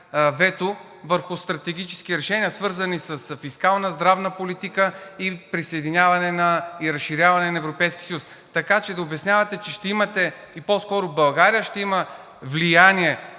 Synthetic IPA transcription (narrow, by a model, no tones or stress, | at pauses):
vɛt̪ʊ | vəɾxʊst̪ɾɐt̪ɛɡ̟ʲit͡ʃɛ̥sk̟ʲiɾɛʃɛniəsvɤɾzɐnisɐsfiskalˠnəzd̪ɾavnəpolit̪ikəipɾisɐjd̪inʲjavɐnɛnɐiɾɐsʃːiɾʲjavɐnɛnɐɛvɾopɛjskʲi̥səjus | t̪ɐkat͡ʃɛd̪ɐʊbɛsnʲjavɐt̪ɛt͡ʃɛʃt̪ɛimɐt̪ɛ | iposkɔɾʊbɐlˠɡaɾijəʃt̪ɛimə | vlijaniɛ